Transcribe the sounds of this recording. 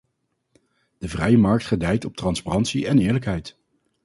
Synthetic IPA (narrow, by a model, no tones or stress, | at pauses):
d̥əvrɛjəmɑɹk̚tχədɛjtɔp̚trɑnsparɑntsiɛnɪːɹləkɦɛjt